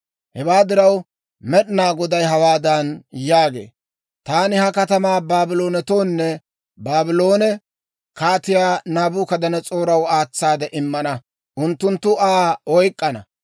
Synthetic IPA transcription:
hɛwaːd̪ɪɾɐw | mɛɗɪnaːɡɔd̪ɐjɦɐwaːd̪ɐnjaːɡe̞̰ː | t̪aːnɪhɐkɐt̪ɐmaːbaːbɪlo̞ːnɛt̪o̞ːnːɛ | baːbɪlo̞ːnɛ | kaːt̪ɪjaːnaːbʊkɐd̪ɐnɐt͡sʼo̞ːɾɐwaːt͡sːaːd̪ɛʔɪmːɐnɐ | ʔʊnt̪ːʊnt̪ːʊʔaːɔjkʼːɐnɐ̰

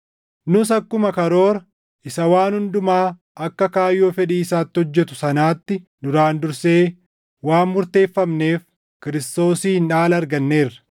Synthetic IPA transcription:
nʊs̬ɐkːʊmɐkɐɾo̞ːɾɐ | ʔɪsɐwaːnhʊnd̪ʊmaː | ʔɐkːɐkaːjːo̞ːfɛᶑiːsaːt̪ːɪhɔd͡ʒːɛt̪ʊsɐnaːt̪ːɪnʊɾaːnd̪ʊɾseː | waːnmʊɾt̪e̞ːfːɐmne̞ːf | kɪɾɪst̪o̞ːsiːnᶑaːlɐɾɡɐnːe̞ːrːɐ̥

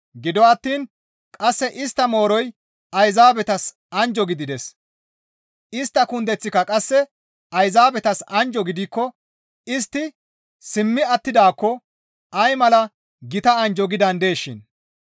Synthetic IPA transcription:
ɡɪd̪ɔwɐt̪ːiːn | kʼɐsːɛʔɪst̪ːɐmo̞ːɾɔj | ɐjzaːbɛt̪ɐs | ɐnd͡ʒɔɡɪd̪ɪd̪ɛs | ɪst̪ːɐkʊnd̪ɛt͡sːɪkːɐkʼɐsːɛ | ɐjzaːbɛt̪ɐsɐnd͡ʒɔɡɪd̪ɪkːɔ | ɪst̪ːɪ | sɪmːɪɐt̪ːɪd̪aːkːɔ | ɐjmɐlɐ | ɡɪt̪ɐɐnd͡ʒɔɡɪd̪ɐnd̪e̞ːʃːɪn

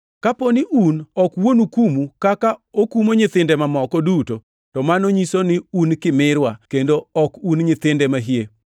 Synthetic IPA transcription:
kaponɪʔunɔkwonukumukakaokumoɲɪt̪ɪndɛmamɔkɔduto | tɔmanoɲisonɪunkɪmɪɾwakendoɔkunɲɪt̪ɪndɛmaɦie

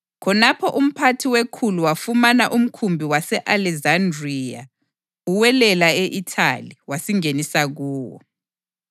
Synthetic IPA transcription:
kʰɔnapʰɔʔum̩pʰatʰiwekʰuluwafumanaʔum̩kʰumbʱiwasɛʔalɛzandria̰ | uwɛlɛlaeʔitʰa̰liwasiŋenisaɣuːwɔ̰

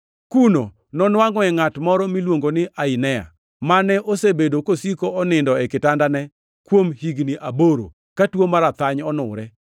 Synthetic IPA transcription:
kuno̰ | nɔnwaŋɔɛŋatmɔɾɔmilwoŋɡonɪʔaɪnɛja̰ | manɛʔosebedokosikoɔnɪndɔɛkɪtandanɛ | kwomhiɡniʔaboɾo̰ | katwomaɾat̪aɲɔnʊ̰ɾɛ

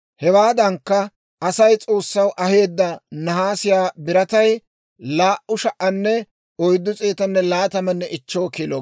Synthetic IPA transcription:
hɛwaːd̪ɐŋkːɐ | ɐsɐjt͡sʼo̞ːsːɐwʔɐɦe̞ːd̪ːɐnɐɦaːsɪjaːbɪɾɐt̪ɐj | laːʔʊʃɐʔɐnːɛ | ɔjd̪ːʊt͡sʼeːt̪ɐnːɛlaːt̪ɐmɐnːɛʔɪt͡ʃːo̞ːkilo

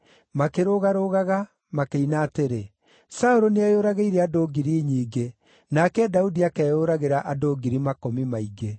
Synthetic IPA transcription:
makeɾoɣaɾoɣaɣa | makeinaːteɾe | saoɾoneajoɾaɣeiɾɛadoːɡiɾiɲiːɡe | nakɛdaudiakɛːjoɾaɣeɾaʔadoːɡiɾimakomimaiɡe

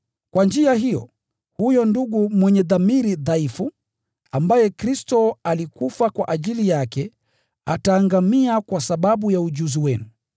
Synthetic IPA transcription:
kwand͡ʒiaɦijɔ̰ | hujɔnduɡumwɛɲɛðamiɾiðaifu | ambajɛkɾistɔalikufakwaʔaʄilijakɛ | ataːŋɡamiakwasaɓaɓujaud͡ʒuziwɛnu

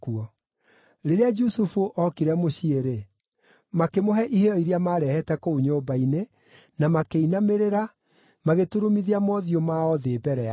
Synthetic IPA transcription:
kuɔ | ɾeɾead͡ʒusufuʔɔkiɾɛmoɕieɾe | makemoɦɛʔiheɔiɾiamaːɾɛhɛtɛkouɲoːbaine | namakeinameɾeɾa | maɣetuɾumiðiamɔðiomaɔðeːbɛɾɛa

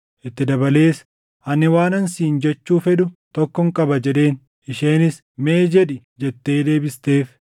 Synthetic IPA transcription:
ʔɪt̪ːɪd̪ɐbɐle̞ːs | ʔɐnːɪwaːnɐnsiːnd͡ʒɛt͡ʃːuːfɛᶑʊt̪ɔkːɔŋkʼɐbɐd͡ʒɛᶑe̞ːn | ʔɪʃe̞ːnɪs | meːd͡ʒɛᶑɪ | d͡ʒɛt̪ːe̞ːd̪e̞ːbɪst̪e̞ːf

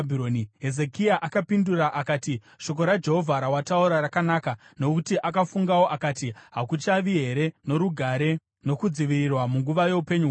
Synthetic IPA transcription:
ionɦe̞ze̞kiaʔakapinduraʔakaːti | ʃo̞k̬o̞ɾad͡ʒe̞ɦo̞vʱaɾawatauɾaɾakanaːkano̞kutiʔakafuŋɡawo̞ʔakatiɦakut͡ʃaʋiɦe̞ɾe̞no̞ɾuɡʱaɾe̞ | no̞kud͡ziʋirirwamuŋɡuʋaje̞upe̞ɲuɦ

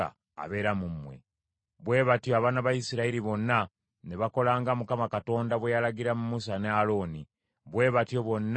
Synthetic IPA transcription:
a̰ | a̰βe̞ːɾamumwḛ | βwe̞ːβatjoaβanaβajisiɾaiɾiβo̞nːa | ne̞βako̞laːŋɡamukamakato̞ːndaβwe̞jalaɡiɾamumusanealo̞ːni | βwe̞ːβatjo̞βwo̞nː

